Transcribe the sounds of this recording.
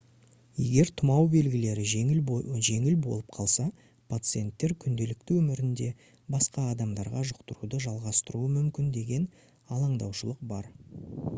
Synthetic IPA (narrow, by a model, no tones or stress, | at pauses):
je̞ɡʲe̞ɾt̪ʰʊmɑwbe̞lɡʲɪle̞ɾɪ | ʒe̞ŋɪlbo̞̰lˠəp̚qʰɑlˠsɑ | pʰat̪sɨje̞nt̪ːe̞ɾkʲʰʏnd̪e̞lɪk̚t̪ɪwɵmɪɾɪnd̪e̞ | bɑsqɑːd̪ɑmd̪ɑɾʁɑʒʊqt̪əɾud̪əʒɑlˠʁɑst̪əɾuəmʏmkʲɪnd̪e̞ɡʲe̞n | ɑlˠɑɴd̪ɑwʃəlˠəq̚bɑɾ